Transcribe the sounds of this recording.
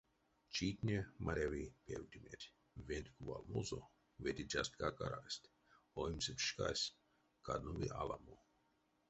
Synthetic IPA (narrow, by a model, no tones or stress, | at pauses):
t͡ʃit̪ʲnʲemʔaɾʲavipʰʲewd̪ʲimet̪ʲ | vʲenʲt̪ʲkuva̰lˠmozo | vet̪ʲid͡ʒast̪kakaɾasʲt̪ʲ | oimsepʃkasʲ | kʰad̪nuvḭʔalˠa̰mo